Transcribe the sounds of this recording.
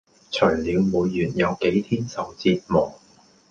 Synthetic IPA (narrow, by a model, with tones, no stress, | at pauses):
t͡ʃʰœː˨˩jliː˨˧wmuː˨˧jːyː˨˩njɐ˨˧wke˨˥jt̪ʰiː˥nsɐ˨wt͡siː˧t̚mɔː˨˩ŋ